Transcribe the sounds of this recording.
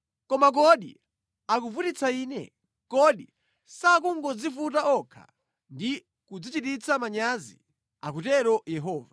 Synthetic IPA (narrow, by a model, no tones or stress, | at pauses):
kɔmak̬ɔɗḭ | ak̬uvutit͡sʰaiːnɛ̰ | kɔɗi | sak̬uŋɡɔd͡zifutaɔkʰa̰ | ndi | kud͡zit͡ʃitit͡sʰamaɲazḭ | ak̬utɛɾɔjɛɦɔːva